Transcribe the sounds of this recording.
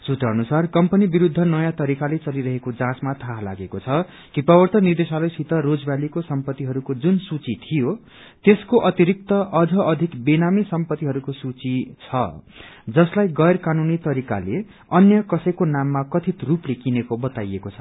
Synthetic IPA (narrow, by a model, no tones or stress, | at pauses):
sut̪rʌːnusarkʌmpʌnibiɾud̪ʱːʌnʌjãt̪ʌɾikalet͡sʌliɾʌɦekod͡zãt͡smat̪ʰaɦla̰ɡekot͡sʰʌ | kipʌbʌrt̪ʌnird̪esalʌjsit̪ʌɾod͡zbalikosʌmpʌt̪ːiɦʌɾukod͡zunsut͡sit̪ʰijo | t̪eskoʔʌt̪iɾik̚t̪ʌʔʌd͡zʌʔʌd̪ʱikbinamisʌmpʌt̪ːiɦʌɾukosut͡sit͡sʰʌd͡zʌslajɡʌjrkanunit̪ʌɾika̰le | ʌnjʌkʌsʌjkonamːakʌt̪ʰit̪ruplekinekobʌt̪ajekot͡sʰʌ